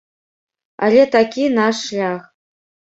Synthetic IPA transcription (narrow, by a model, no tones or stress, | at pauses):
a̰lʲet̪akʲinaʂːlʲaχ